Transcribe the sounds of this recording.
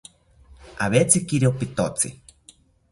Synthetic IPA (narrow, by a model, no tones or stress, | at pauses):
aβet͡sikiɾiopit̪ot͡sḭ